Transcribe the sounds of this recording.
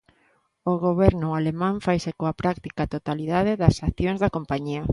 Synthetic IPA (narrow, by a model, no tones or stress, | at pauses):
oɣoβɛɾnʊalemãɱfajsekoapɾakt̪ikat̪ot̪aliðaðeðɐsaθjoŋzðɐkompaɲiɐ